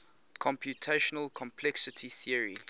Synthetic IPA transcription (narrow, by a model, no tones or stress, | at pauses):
kʰɔ̃mpʰjutʰeʃənəlkʰɔ̃mpʰlɛksɪtʰiθiəɹḭ